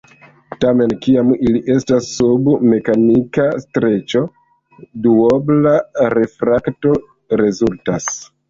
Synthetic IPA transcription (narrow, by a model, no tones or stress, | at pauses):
tame̞nkiamiliʔe̞stasːubme̞kanikastɾe̞t͡ʃo̞ | duoblaɾe̞fɾakto̞ | ɾe̞zultas